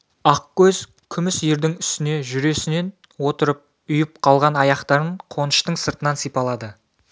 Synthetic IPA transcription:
ɑqkʲɵz | kʲʰʏmɪsjeɾd̪ɪŋʏ̥st̪ɪne̞ʒʏɾe̞sɪne̞n | wo̞t̪əɾəp̚ | ʊjəp̚qʰɑlˠʁɑnɑjɑqt̪ɑɾəɴqʰo̞nəʃt̪əɴsəɾt̪ənɑnsijpɑlˠɑd̪ə

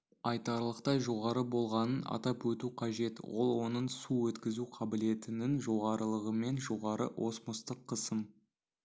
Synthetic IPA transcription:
ɑjt̪ɑɾlˠəqt̪ɑʒo̞ʁɑɾəbo̞lˠʁɑnənɑ̰t̪ɑpwɵt̪uqʰɑʒe̞t̪wo̞̰lˠwo̞nəɴsuwɵt̪kʲɪzuqʰɑbɪle̞t̪ɪnɪŋʒo̞ʁɑɾəlˠəʁəme̞nʒo̞ʁɑɾə̰ʔo̞smʊst̪əqʰːəsəm

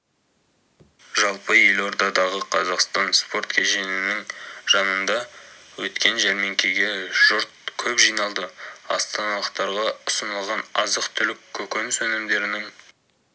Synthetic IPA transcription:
ʒɑlˠpəjelo̞ɾd̪ɑd̪ɑʁəqʰɑzɑqst̪ɑnspo̞ɾt̪kʲʰeʒe̞nɪnɪŋʒ̥ɑnənd̪ɑwɵt̪kʲe̞nʒæɾme̞ŋkʲʰe̞ɡʲe̞ʒ̥ʊɾt̪̚kʲʰɵpʒijnɑlˠd̪əɑ̰st̪ɑnɑlˠəqt̪ɑɾʁɑʊsənəlˠʁɑnɑzəqt̪ʰʏlɪkʲʰːɵkʲenɪsɵnɪmd̪e̞ɾɪnɪŋ

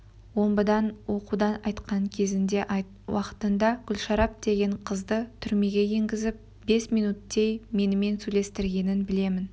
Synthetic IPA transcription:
wo̞mbəd̪ɑnwo̞qud̪ɑnɑjt̪qʰɑŋkʲʰe̞zɪnd̪e̞ʔ | wɑqə̥t̪ənd̪ɑɡʲʏlʃɑɾɑp̚d̪̥e̞ɡʲe̞ɴqʰəzd̪ət̪ʰʏɾme̞ɡʲe̞jeŋɡʲɪzɪp̚ | be̞smijnut̪ːe̞jme̞nɪme̞nsɵjle̞st̪ɪɾɡʲe̞nɪnbɪle̞mɪn

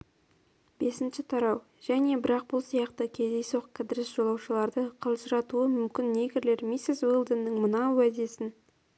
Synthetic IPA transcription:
b̥e̞sɪnʃɪt̪ʰɑɾɑw | ʒ̥æne̞bɪɾɑq̚bʊlˠsijɑqt̪əkʲʰe̞zd̪e̞jsoqkʰːad̪ɪɾɪsʒ̥o̞lˠɑwʃəlˠɑɾd̪əqʰɑlˠʒəɾɑt̪uəmʏmkʲɪnːe̞ɡʲɪɾle̞ɾmisɪzwilˠd̪ənːəŋmənɑwæd̪e̞sɪn

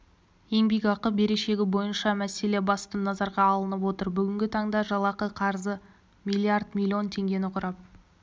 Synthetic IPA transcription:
e̞ŋbeɡʲɑqəp̚be̞ɾe̞ʃe̞ɡʲɪbo̞jənʃɑmæse̞le̞bɑst̪ənɑzɑɾʁɑːlˠənəp̬wo̞t̪əɾbʏɡʲɪŋɡʲɪt̪ʰɑɴd̪ɑʒɑlˠɑqəqʰɑɾzə | mʲilʲˠːiard̪mʲilʲˠːio̞nt̪ʰe̞ŋɡʲe̞nɪqʰʊɾɑp̚

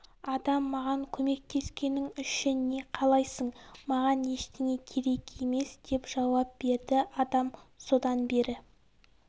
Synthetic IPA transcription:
ɑd̪ɑmːɑʁɑŋkʲʰɵme̞k̚t̪ʰe̞skʲe̞nɪŋʏʃɪnːe̞qʰɑlˠɑjsəɴmɑʁɑne̞ʃt̪ɪŋe̞kʲʰe̞ɾe̞ke̞me̞sd̪̥e̞pʒ̥ɑwɑp̚b̥e̞ɾd̪ɪʔɑd̪ɑmso̞d̪ɑnbe̞ɾɪ

